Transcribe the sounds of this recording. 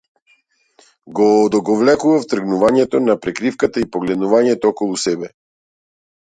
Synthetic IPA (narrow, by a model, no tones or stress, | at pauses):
ɡɔːd̪ɔɡɔvlɛkuvaft̪r̩ɡnuvaɲɛt̪ɔnapɾɛkɾifkat̪aipɔɡlɛd̪nuvaɲɛt̪ɔɔkɔlˠusɛbɛ